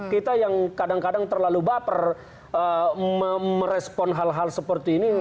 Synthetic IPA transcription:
kit̪ajaŋkadaŋkadaŋt̪ərlalubapər | əəməɾɛspɔnɦalɦalsəpərt̪iːni

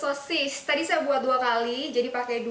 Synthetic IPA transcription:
sɔsɪst̪adisajabuat̪̚duakalid͡ʒadipakɛjdu

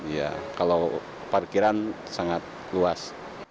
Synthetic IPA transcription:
ija̰kalo | parkiɾan | saŋat̪̚ | luas

